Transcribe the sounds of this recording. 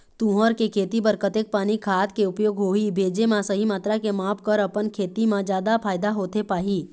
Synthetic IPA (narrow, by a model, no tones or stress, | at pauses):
t̪ũːɦəɾkekʰeːt̪ibəɾkət̪eːk̚paːnikʰaːt̪keʊpjoːɡɦoːibʱeːd͡ʒemãsəɦimaːt̪ɾakemaːpkəɾɐpənkʰeːt̪imãd͡ʒjaːd̪apʰaːjd̪aɦoːt̪epaːɦiː